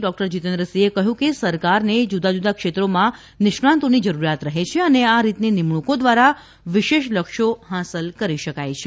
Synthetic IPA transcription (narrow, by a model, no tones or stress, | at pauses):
ɖɔk̚ʈəɾd͡ʒit̪ẽnd̪ɾəsiekəɦjũkesəɾkaɾned͡ʒud̪ad͡ʒud̪akʃet̪ɾomã | nɪʃɳãnt̪onid͡ʒəɾuɾjat̪ɾəɦet͡ʃʰeəneaɾit̪ninɪmɳ̃ukod̪ʋaɾa | ʋɪʃeʃləkʃoɦasəlkəɾiʃəkajt͡ʃʰe